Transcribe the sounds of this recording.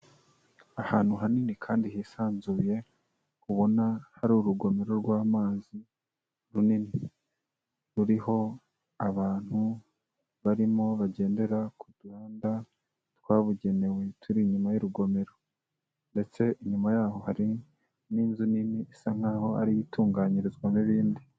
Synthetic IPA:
ahaːn̥huɦaninikʰaːndihisaːnzuje̞ | kuβo̞nahaɾuːɾuɡo̞me̞ɾo̞ɾɡwaːmaːzi | ɾunini | ɾuɾiho̞ | aβaːn̥hu | βaɾimo̞βaɟe̞ːnde̞ɾakud̥uhaːnda | twaːβuɟe̞ne̞we̞tʰuɾiɲumajuɾuɡo̞me̞ɾo̞ | nde̞t͡se̞ʔiɲumajaːho̞haɾi | niːnzuniniːsaŋ̥aːho̞a̰ɾijituːŋɡaɲiɾizɡwaniβiːndi

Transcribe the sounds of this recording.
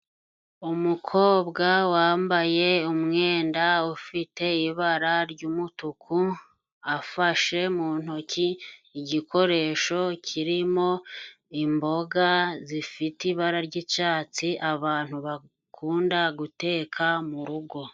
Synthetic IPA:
umukʰo̞ːbɡawaːmbaje̞umŋe̞ːndaufite̞iβaɾaɾɟuːmutukʰu | afaʃe̞mun̥hocʰiiɟikʰo̞ɾe̞ːʃo̞cʰiɾimo̞ | imbo̞ɡazifitiβaɾaɾɟit͡ʃaːt͡siʔaβaːn̥huβa | kʰuːndaɡute̞ːkʰamuɾuɡo̞

